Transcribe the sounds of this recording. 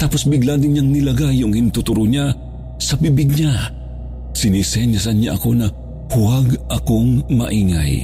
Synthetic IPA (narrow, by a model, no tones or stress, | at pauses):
t̪aːposbɪɡlad̪ɪnɲaŋnɪlɐɡajʊŋhɪnt̪ʊt̪ʊɾʊɲa | sɐbibɪɡ̚ɲa | sɪnisɛnjasɐnɲaʔɐko̞nɐ | hʊwaɡʔɐkoŋmɐ̰ʔiːŋa̰j